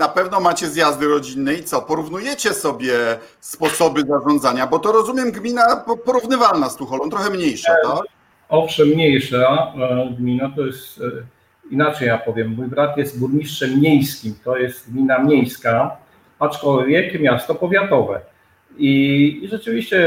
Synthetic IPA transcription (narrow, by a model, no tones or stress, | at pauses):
napɛvnɔmat͡ɕɛzjazd̪ɘɾɔd͡ʑinːɛit̪sɔpɔɾuvnujɛt͡ɕɛsɔbʲjɛ | spɔsɔbɘzaʐɔnzaɲabɔt̪ɔɾɔzumjɛmɡmʲinappɔɾuvnɘvalnast̪ũxɔlɔ̃nt̪ɾɔxɛmɲejʂat̪a | ɔfʂɛmːɲejʂaɡmʲinat̪ɔjɛst̪ | inat͡ʂɛjapɔvʲjɛmːujbɾat̪jɛst̪buɾɲiʂt͡ʂɛmːɲejskʲimt̪ɔjɛst̪ɡmʲinamʲɲejska | at͡ʂkɔlvʲjɛkmʲjast̪ɔpɔvʲjat̪ɔvɛ̰ | iʐɛt͡ʂɘvʲiɕt͡ɕɛ